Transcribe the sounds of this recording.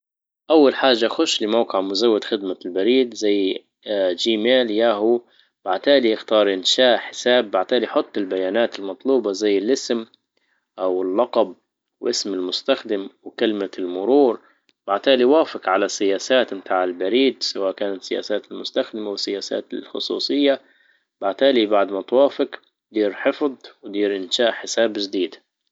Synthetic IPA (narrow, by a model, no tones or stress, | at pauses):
ʔawːalħaːʒːaxʊʃːlɪmawqɪʕmʊzawːɪd̪xɪd̪malbaɾiːd̪zajː | d͡ʒiːmeːljaːɦu | b̥aʕt̪aːliʔɪxt̪ɑːɾˤʔɪnʃaːʔħɪ̥saːbːaʕt̪aːlijħʊt̪ˤːɪlbajaːnaːt̪ɪlmɑt̪ˤluːbɑzajːɪlʔɪsm | ʔawɪlːɑqɑb̚ | wʔɪsmɪlmʊst̪axd̪ɪmwɪkalmalmʊɾuːɾ | b̥aʕt̪aːliwaːfɪkʕalasɪjaːsaːt̪mɪt̪ʰaːʕɪlbaɾiːd̪sawaːʔkaːnat̪sːɪja̰ːsaːt̪ɪlmʊst̪axd̪ɪmawɪsːɪjaːsa̰ːt̪ɪlxʊ̰sˤṵːsˤɨjːa | b̥aʕt̪aːlibaʕd̪mat̪ˤwaːfɪk | d̪iːɾħɪfðˤwd̪iːɾʔɪnʃaːʔħɪsaːbɪd͡ʒd̪iːd̪